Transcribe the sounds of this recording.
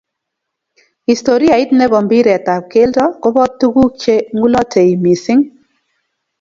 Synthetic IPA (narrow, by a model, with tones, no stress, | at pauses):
i˨sto˨ɾi˦a˨ɪ˦tnɛ˦bɔ˨mbi˦ɾɛ˨ta˨p̚ke˦ltɔ˦kʊ˦bɔ˦tːu˦ku˦t͡ʃe˦ŋu˦lɔ˦tʰe˨i˨mi˨sɪ˦ŋ